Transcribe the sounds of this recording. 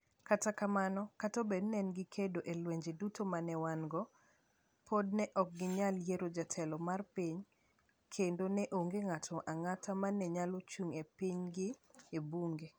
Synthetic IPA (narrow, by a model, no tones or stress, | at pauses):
katakamanɔkatobednɛnɡɪkʰedoʔelweɲd͡ʒedutʰomanɛwanɡɔ | pʰodnɛʔɔk̚ɡɪɲaljeɾod͡ʒatʰɛlɔmarpiɲ | kʰendonɛʔoŋɡeŋatʰɔʔaŋatʰamanːɛɲalot͡ʃuŋepiɲɡɪebuŋɡe